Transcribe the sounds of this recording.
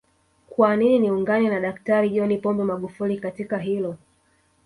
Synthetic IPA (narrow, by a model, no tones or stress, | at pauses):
kwanininiuŋɡanɛnaɗaktaɾiʄɔnipɔmbɛmaɠufulikatikaɦilɔ